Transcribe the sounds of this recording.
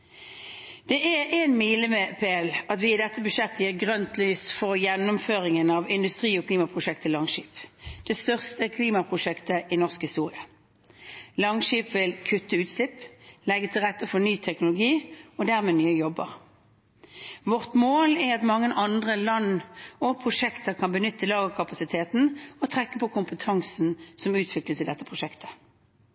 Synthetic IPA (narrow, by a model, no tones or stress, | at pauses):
d̪̥ɛʔæʁeːnmiːləmɛpʰeːlɑt̪ʋɪːd̪ɛt̪ːəbʉʃɛt̪ːəjiːʁɡʁœnt̪lyːsfɔʁjɛnːʊmføːʁɪŋənɑʋɪnd̪ʉst̪ʁiːɔkʰliːmɑpʰʁʊʃɛkt̪ʰəlɑŋʃiːpd̪̥ɛst̪œʁst̪əkʰliːmɑpʰʁʊʃɛkt̪əʔɪnɔʁskhɪst̪uːʁɪɑ | lɑŋʃiːpʋɪlkʰʉt̪ːəʉːt̪slɪplɛɡət̪ʰɪlʁɛt̪ːəfɔnyːt̪ʰɛknʊlʊɡiːɔd̪æːʁmeːnyːəjɔbːə̰ʁ | ʋɔʁt̪moːlɛʁɑt̪mɑŋːənʔɑnd̪ʁəlɑnɔpʰʁʊʂɛkt̪əʁkʰɑnbənʏt̪ʰːəlɑːɡəkʰɑpɑsɪt̪ʰeːt̪n̩ɔt̪ʰʁɛkːəpɔkʰʊmpət̪ʰɑŋsn̩sɔmʉːt̪ʰʋɪkləsɪd̪ɛt̪ːəpʰʁʊʃɛkt̪ʰə̥